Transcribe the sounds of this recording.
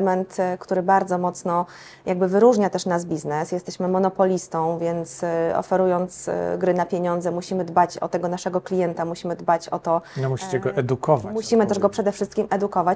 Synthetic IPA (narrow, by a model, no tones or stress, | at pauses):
mɛnt̪kt̪uɾɘbaɾd̪zɔmɔt̪snɔ | jaɡ̚bɘvɘɾuʐɲat̪ɛʂnasbʲiznɛsjɛst̪ɛɕmɘmɔnɔpɔlʲist̪ɔ̃w̃vʲjɛnt̪sɔ̰fɛɾujɔnt̪sɡɾɘnapʲjeɲɔnd̪zɛmuɕimɘd̪bat͡ɕɔ̰t̪ɛɡɔnaʂɛɡɔklʲijɛnt̪amuɕimɘd̪bat͡ɕɔ̰t̪ɔnɔmuɕi̥t͡ɕɛɡɔʔɛd̪ukɔvamuɕimɘt̪ɛʐɡɔpʂɛd̪ɛfʂɘst̪kʲimʔɛd̪ukɔvat͡ɕ